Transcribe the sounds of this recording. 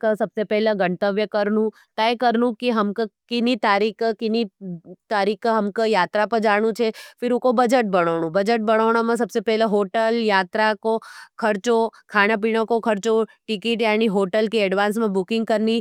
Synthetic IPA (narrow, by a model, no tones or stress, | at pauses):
ksɐbsepɛɦleɡɐ̃ɳt̪əʋjəkɐɾnũ | t̪ɐjkɐɾnũkiɦɐmkkɪnit̪aːɾiːkkɪnit̪aːɾiːkɦɐmkjaːt̪ɾapɐɾd͡ʒaːɽ̃ũt͡ʃʰefɪɾukobɐd͡ʒəʈ̚bɐɽ̃oːɽ̃ũbɐd͡ʒəʈ̚bɐɽ̃oːɽ̃amãs̬ɐbsepɛːɦleɦoːʈəljaːt̪ɾakokʰɐɾt͡ʃokʰaːɽ̃ap̬iːɽ̃õkokʰɐɾt͡ʃoʈɪkiːʈjaːniɦoːʈəlkeɛɖʋãːns̬mẽbʊkɪ̃ŋɡ̚kɐɾni